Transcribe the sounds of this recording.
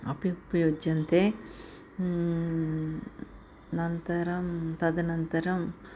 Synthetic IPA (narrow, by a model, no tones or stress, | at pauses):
ɐ̰pjupɐjoːd͡ʒɐnt̪eː | nɐnt̪ɐɾɐmt̪ɐd̪ɐnɐnt̪ɐɾɐm